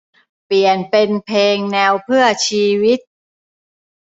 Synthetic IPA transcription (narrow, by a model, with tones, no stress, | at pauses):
pi˨˩ənpe˧npʰeː˧ŋnɛː˧wpʰɯ˥˩ɐət͡ɕʰiː˧wi˦˥t̪̚